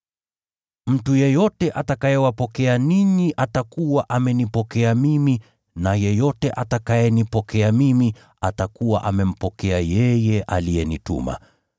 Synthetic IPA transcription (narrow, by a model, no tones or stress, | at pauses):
m̩tujɛjɔtɛʔatakajɛwapɔkɛaniɲiʔatakuwaʔamɛnipɔkɛamimi | najɛjɔtɛʔatakajɛnipɔkɛamimi | atakuwa̰ʔamɛm̩pɔkɛajɛjɛʔalijɛnitṵma̰